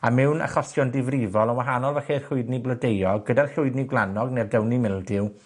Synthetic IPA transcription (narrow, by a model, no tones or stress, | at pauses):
amɛwna̰χɔsjɔndɪvrɪvɔlˠənwaɦanɔlˠvɛxerɬʊɨdniblədejɔɡədarɬʊɨdniɡwlˠanɔɡnɛrdɛwnimɪlˠdɪw